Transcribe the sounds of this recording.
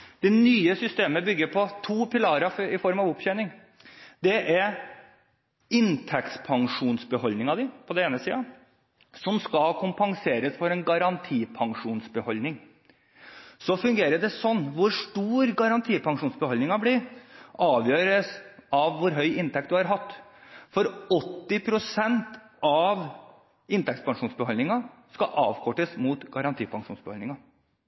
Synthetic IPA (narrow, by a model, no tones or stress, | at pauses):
d̪̥ɛnyːəsʏst̪eːməbʏɡːəɾpʰɔt̪ʰuːpɪlɑɾɑfɪfɔɾmɑʋʊpçœʏnɪŋ | d̪ɛʔɛɾ | ɪnt̪ʰɛkt̪pʰɑŋʂuːnsbəhɔlnɪŋɑd̪ɪpʰɔd̪ɛeːnəsiːə | sɔmskɑlkʰʊmpɑŋseːɾəsfɔɾɛnɡɑɾɑnt̪ʰiːpʰɑŋʂuːnsbəhɔlnɪŋ | sɔfʉŋɡeːɾəɖɛsɔnːʋʊɾʂʈuːɾɡɑɾɑnt̪ʰiːpʰɑŋʂuːnsbəhɔlnɪŋɑblɪɾʔɑːʋjøːɾəsɑʋːʊɾɦœʏʔɪnt̪ɛk̚t̪d̪ʉɑɾɦɑt̪ːfɔɾɔt̪ːɪpʰɾʊsɛnt̪ | ɑʋ | ɪnt̪ɛkt̪spɑŋʂuːnsbəhɔlnɪŋɑskɑʔɑːʋkʰɔʈːəsmuːt̪ɡɑɾɑnt̪ʰiːpʰɑŋʂṵːnsbɛhɔlnɪŋɑ